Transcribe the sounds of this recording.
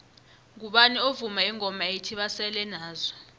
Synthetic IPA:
ŋk̬uɓaniovumaiŋɔmaetʰiɓasɛlɛnaːzɔ

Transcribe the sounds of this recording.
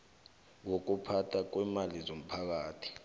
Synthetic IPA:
wok̬upʰatʰak̬wɛmalizom̩pʰak̬aːtʰi̥

